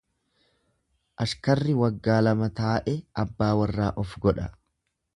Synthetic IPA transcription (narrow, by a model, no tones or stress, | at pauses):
ʔɐʃkɐrːɪwɐɡːaːlɐmɐt̪aːʔɛʔɐbːaːwɐrːaːʔɔfɡɔᶑɐ